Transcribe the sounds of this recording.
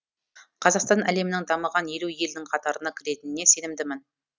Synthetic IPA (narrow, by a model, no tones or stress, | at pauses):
qʰɑzɑqst̪ɑnʔæle̞mɪnɪŋd̪ɑməʁɑnje̞luje̞ld̪ɪŋqʰɑt̪ɑɾənɑkʲʰɪɾe̞t̪ɪnɪne̞se̞nɪmd̪ɪmɪn